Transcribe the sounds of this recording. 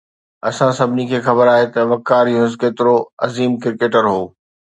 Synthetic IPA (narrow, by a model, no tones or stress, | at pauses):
ɐsãsɐbʱɪnikʰeːxɐbəɾaːɦet̪ɐʋɐkaːɾiɦʊzkeːt̪ɪɾoɐziːmkɪɾkeːʈəɾɦoː